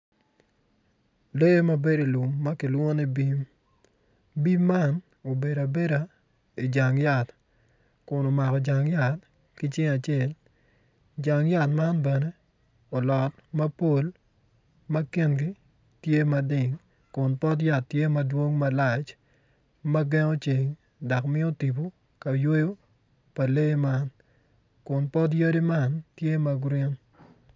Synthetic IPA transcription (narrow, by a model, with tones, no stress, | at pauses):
le˦mɐ˦be˦di˨lu˨mːɐ˦kɪ˨lwo˦nɛ˦bi˦m | bi˦mːa˦n | o˨be˨da˨be˦ɾa˨ | i˨d͡ʒa˨ŋja˨t | kʊ˨no˨ma˨kɔ˨d͡ʒa˨ŋja˨t̚ | kɪ˦t͡ʃɪ˦ŋa˨t͡ʃe˨l | d͡ʒa˨ŋja˦˨tma˦nbɛ˨ne˦ | o˨lɔ˨t̚mɐ˦po˦l | mɐ˦ki˦nɡi˦ | tje˦mɐ˨dɪ˨ŋ | kʊ˨npɔ˦t̬ja˨ttːje˦mɐ˦dwo˦ŋmɐ˦la˨t͡ʃ | mɐ˦ɡɛ˦ŋo˦t͡ʃe˨ŋ | dɔ˨kmɪ˦o˦ti˨bo˨ | ka˨jwo˦jo˦ | pa˨le˦ma˦n | kʊ˨npɔ˦t̬jo˦ɾi˦ma˦ntje˦ma˦ɡɾɪ˦n